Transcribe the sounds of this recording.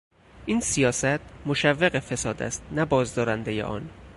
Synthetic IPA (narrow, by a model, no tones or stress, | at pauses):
ʔiːnsijɒːsæt̪̚ʰmoʃævːeɣefe̞sɒːd̪æ̰st̪̚næbɒːzd̪ɒːɾænd̪ejḛʔɒ̰ːn